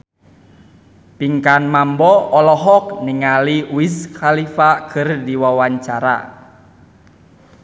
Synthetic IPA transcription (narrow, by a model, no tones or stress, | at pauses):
piŋkanmambɔɔlɔɦɔk̚niŋaliuisxalifakʰɨrdiwawaɲt͡ʃaɾa̰